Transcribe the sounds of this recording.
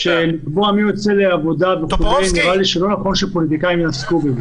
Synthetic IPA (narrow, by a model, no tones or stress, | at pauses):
ʃelikbo̞amiʁo̞t͡se̞leavo̞d̪aveχuzeniʁaliʃelo̞naχo̞nʃepo̞lit̪ikaimjenaskubez